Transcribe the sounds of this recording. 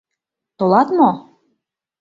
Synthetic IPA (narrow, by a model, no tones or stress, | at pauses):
t̪olɑt̪mo